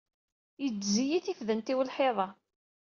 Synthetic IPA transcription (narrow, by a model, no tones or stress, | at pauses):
jəd͡zzijiθifðənt̪iwəlħeðˤɑ